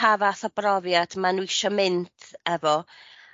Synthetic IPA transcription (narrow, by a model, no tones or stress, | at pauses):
avaθɔbrɔvjad̥manuiʃɔmɪntʰɛvɔ